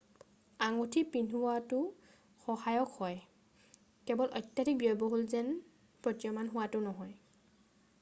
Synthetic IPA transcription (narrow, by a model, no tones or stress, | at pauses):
aŋutʰipinɦuwatʊ | xɔhajɔkhɔj | kɛbɔlʔɔjtːjatik̚bijɔjbɔɦolzɛn | pɹɔtijɔmanɦʊwatʊnɔɦɔj